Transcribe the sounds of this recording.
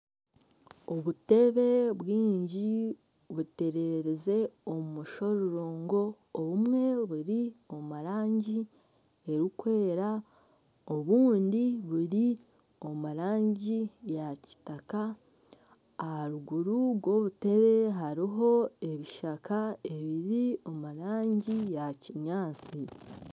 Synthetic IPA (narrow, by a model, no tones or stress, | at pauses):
oβute̞βe̞βwiːɲɟi | βute̞ɾe̞ɾeze̞o̞mmuʃo̞ɾuɾoːŋɡo̞ː | βumŋe̞βuɾio̞muɾaːɲɟi | e̞ɾikwe̞ːɾa | o̞βuːndiβuɾi | o̞muɾaːɲɟijaci̥taka | haɾuɡuɾuɡwo̞βute̞βe̞ɦaɾiɦo̞e̞βiʃakʰae̞βiɾio̞muɾaːɲɟijaciɲaːt͡si